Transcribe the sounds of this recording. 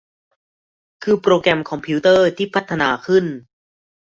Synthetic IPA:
kʰɯː˧pɾoː˧kɾɛ˧mkʰɔ˧mpʰi˦˥t̪ɤː˥˩t̪ʰiː˥˩pʰa˦˥t̪ʰːa˧naː˧kʰɯ˥˩n

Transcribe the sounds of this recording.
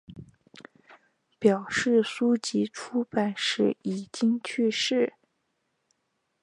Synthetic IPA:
pjɑ˨˩ʊʂɻ̩˥˩su˥t͡ɕi˧˥ʈ͡ʂʰu˥pa˨˩ɪʂɻ̩˥˩i˨˩t͡ɕi˥ŋt͡ɕʰy˥˧ʂɻ̩˥˩

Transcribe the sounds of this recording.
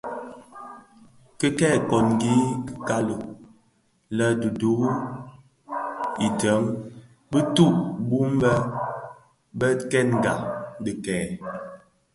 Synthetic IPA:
kə˦kɛː˦˨kɔ˨nɡi˦kə˨ka˦lo˨ | lə˦du˨du˨˦ | i˨də˨˦ŋ | bə˦tu˦˨ʔbu˦m˦bə˦ | bə˦kɛ˦nŋ˨ɡa̰˨də˨kɛː˨

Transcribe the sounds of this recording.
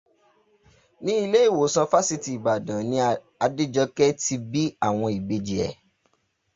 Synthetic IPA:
nĩ˦i˧le˦i˦˨wo˨˦sã˧fa˦si˧ti˨i˨ba˨dã˨nĩ˧ | a˧de˦d͡ʒɔ˧kɛ˦ti˧bi˦a̰˦˨w̃ɔ̃˧i˨ɡ͡be˧d͡ʒi˨ɛ̰˨

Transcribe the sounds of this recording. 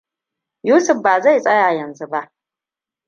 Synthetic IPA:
juː˦sɨ˨fbaː˨za˦i˨t͡sʼa˦jaː˨jɐ˨nzɨ˨ba˦

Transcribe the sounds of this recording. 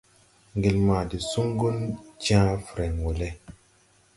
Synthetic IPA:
ŋɡi˨lma˨di˨su˦ŋɡu˦nt͡ʃã˦fɾe˨ŋwo˨le˦

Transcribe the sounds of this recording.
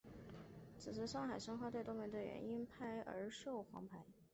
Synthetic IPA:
t͡sʰɹ̩˨˩ʂɻ̩˧˥ʂɑ˥˩ŋxa˨˩ɪʂɤ˥ŋxwɑ˥t̪wt̪mɛ˧˥d̪ə˧ɥɛ̰˧˥ni˥npʰa˥˩ɪʔə̰˞˧˥ʂo˥˩ʊxwɑ̰˧˥ŋpʰa˧˥ɪ

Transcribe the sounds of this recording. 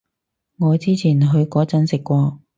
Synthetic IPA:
ŋɔː˨˧t͡siː˥t͡sʰiː˨˩nɦɵ˧ɥkɔː˨˥t͡sɐ˨˥nsɪ˨kːʷɔː˧

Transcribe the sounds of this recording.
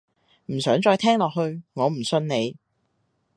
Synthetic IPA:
m̩˨˩sœː˨˥ŋt͡ʃɔː˧jt̪ʰɛː˥ŋlɔː˨k̚ɦhɵ˧ɥŋɔː˨˧m̩˨˩sɵ˧nne˨˧j

